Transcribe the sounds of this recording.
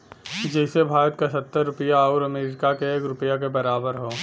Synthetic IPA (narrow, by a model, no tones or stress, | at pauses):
kid͡ʒɛɪsebʱaːɾət̪kasɐt̪ːəɾːʊpəjauɾɐmeːɾɪkakeeːkɾʊpjak̬ebɐɾaːbəɾɦoː